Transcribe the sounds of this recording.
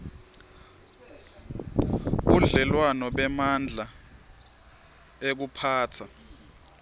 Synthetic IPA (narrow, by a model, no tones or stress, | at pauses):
ɓuɮɛlwanɔɓɛmand͡ɮʱa | ek̬upʰaːtʰa